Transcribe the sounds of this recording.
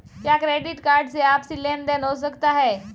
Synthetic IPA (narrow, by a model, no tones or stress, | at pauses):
tjakɾeɖiʈkaɾɖt͡seapsilend̪enɦos̬əkt̪aɦe